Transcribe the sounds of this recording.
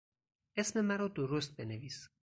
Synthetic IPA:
esme̞mæɾɒːd̪oɾost̪̚beneviːs

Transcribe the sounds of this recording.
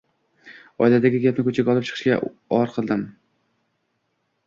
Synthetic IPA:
ɒ̰jlad̪aɡʲɪɡʲapnɪkʰɵt͡ʃʰaɡʲɒlˠɪp̚t͡ʃʰɨ̥qʰɨʃkʲa̰ | ɒɾqʰɨlˠd̪ɪm

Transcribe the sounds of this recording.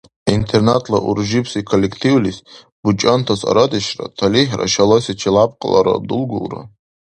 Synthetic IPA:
intʰernatʰlaʔurʒipʰsikʰolʲːekʰtʰiwlis | b̥ut͡ʃʼantʰasa̰ɾadɨʃra̰tʰaliħra̰ʃalosit͡ʃʰilapʼqʼəlaɾa̰bdɨlɡʷṵlra̰

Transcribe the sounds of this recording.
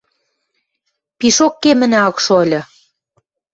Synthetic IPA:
piʃokːemə̆næɑkʃolʲɤ̆

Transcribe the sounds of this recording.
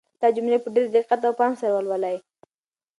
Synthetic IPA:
d̪̥ɑd͡ʒʊmlepəɖeɾd̪ɪqat̪awpɑnsaɾwəlwalaj

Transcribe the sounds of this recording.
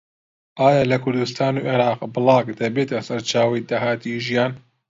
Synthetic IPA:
ʔaːjaːlɐkʰʊɾd̪ust̪aːnuːʔeɾɑːqbɨlˠɑːkd̪ɐbeːt̪ɐsɐɾt͡ʃaːwɐjd̪aɦaːt̪iʒijaːn

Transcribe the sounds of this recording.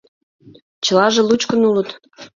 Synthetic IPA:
t͡ɕə̆lɑʒĕlut͡ɕkənulət̪

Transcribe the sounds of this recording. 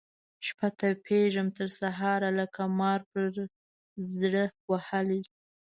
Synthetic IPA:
ʃpat̪apʰeʒəmt̪əɾsaɦɑɾalakʰamɑɾpəɾ | zɽəwahaəli

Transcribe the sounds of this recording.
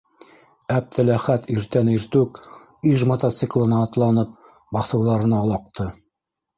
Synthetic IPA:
æb̚t̪ʰɘlæχæt̪iɾt̪æniɾt̪ʉk | yʒmɐt̪at̪sɨklˠɤ̆nɑːt̪lˠɑnɤp̚ | bɑθɤ̆wðˠɑɾɤ̆nɑːlˠɑq̚t̪ɤ

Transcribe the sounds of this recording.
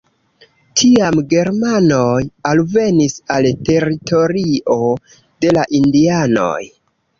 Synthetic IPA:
tʰiamɡe̞ɾmanojalve̞nisalte̞ɾitʰo̞ɾio̞ | d̥e̞laʔindiano̞̰j

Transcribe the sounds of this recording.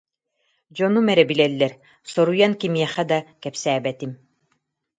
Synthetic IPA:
d͡ʑɔnumɛɾɛbilɛlːɛɾ | sɔɾujankimiɛχɛd̪akɛpsæːbɛt̪im

